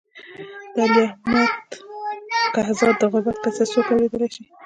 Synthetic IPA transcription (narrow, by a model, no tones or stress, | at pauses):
d̪̥aliahmat̪ | kahzɑd̪ːəɣʊbat̪̚kat͡sasokawɾed̪əlajʃi